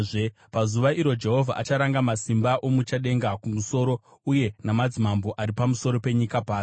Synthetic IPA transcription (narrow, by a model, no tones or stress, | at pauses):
ʐe | pazuʋaiɾo̞d͡ʒe̞ɦo̞vʱaʔa̰t͡ʃaɾaŋɡamasimbaʔo̞mut͡ʃaɗe̞ŋɡakumuso̞ɾo̞ | uje̞namad͡zimamboʔaɾipamuso̞ɾo̞pe̞ɲikapaːi